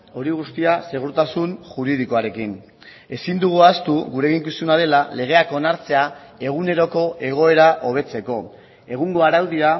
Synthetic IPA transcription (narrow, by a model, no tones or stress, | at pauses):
o̞ɾiɣ̞ust̪iase̞ɣ̞uɾt̪asunʝuɾið̞iko̞aɾe̞kin | e̞sind̪uɣ̞uast̪uɣuɾe̞ɣiŋkusunaðe̞lale̞ɣ̞e̞ako̞naɾt͡se̞a | e̞ɣ̞une̞ɾo̞ko̞ʔe̞ɣ̞o̞e̞ɾaʔo̞β̞e̞t͡se̞ko̞ | e̞ɣuŋɡo̞aɾawðia